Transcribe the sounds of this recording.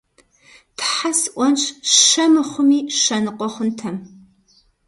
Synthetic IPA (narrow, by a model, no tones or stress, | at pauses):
tʰħasʔʷɔnt͡ʃʃɐmɨχʷʊmiːʃɐnɨqʷɔχʷʊntʰɐm